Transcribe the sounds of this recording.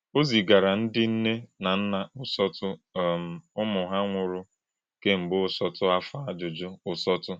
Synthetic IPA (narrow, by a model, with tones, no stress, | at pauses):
o˦zi˨ɡa˨ɾa˨n̩˦dɪ˦n̩˦ne˦na˨n̩˦na˨ʊ˦sɔ˦tʊ˦˨m̩˨ʊ˦mʊ˨ɦa˦ŋʷʊ˨ɾʊ˦ | ke˦m̩˨bʊ˦ʊ˦sɔ˦tʊ˦a˦fa˨˦a˦d͡ʒʊ˨d͡ʒʊ˦ʊ˨sɔ˦tʊ˦